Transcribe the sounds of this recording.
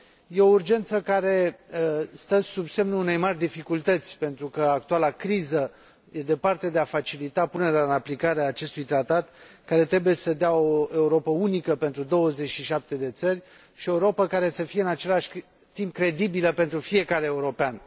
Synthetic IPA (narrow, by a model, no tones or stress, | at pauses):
je̞o̞urd͡ʒe̞nt̪səkaɾe̞ | st̪əsubse̞mnuune̞jmarʲd̪ifikult̪ət̪sʲpe̞nt̪ɾukəak̚t̪ualakɾizə | je̞d̪e̞part̪e̞d̪e̞afat͡ʃilit̪apune̞ɾeaɨnaplikaɾeaːt͡ʃe̞st̪ujt̪ɾat̪at̪kaɾe̞t̪ɾe̞buje̞səd̪eaoe̞uɾo̞pəunikəpe̞nt̪ɾud̪o̞wəze̞t͡ʃʃiʃap̚t̪e̞d̪e̞t̪sərʲ | ʃieuɾo̞pəkaɾe̞səfije̞ɨnat͡ʃe̞laʃʲ | t̪imp̚kɾe̞d̪ibiləpe̞nt̪ɾufije̞kaɾeːuɾo̞pean